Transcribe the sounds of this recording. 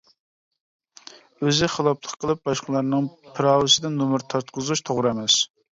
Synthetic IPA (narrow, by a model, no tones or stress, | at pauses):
øzɪχəlˠɑpʰlˠəqʰːəlˠɨp̚bɑʃqəlˠɑɾnɨŋpʰɨɾɑːwɨsɪd̪ɪnumɨɾt̪ʰɑɾt̪̚qʰəzut͡ʃt̪ʰoʁɾɨɛmɛs